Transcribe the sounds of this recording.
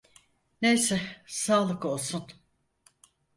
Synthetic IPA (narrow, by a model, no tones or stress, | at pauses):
nejsɛsaːlˠɯko̞lˠsun